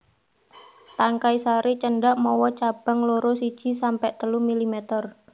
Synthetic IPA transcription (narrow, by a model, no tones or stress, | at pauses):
t̪aŋkaisaɾet͡ʃəɳɖaʔmɔwɔt͡ʃab̥a̤ŋloɾosid̥ʒ̥i̤sampɛʔt̪əlumilimet̪ər